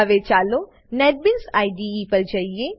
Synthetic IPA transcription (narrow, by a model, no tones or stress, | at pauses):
ʋet͡ʃaːloː | nɛːʈ̚bɪlsaːiɖiipɐɾd͡ʒaːieː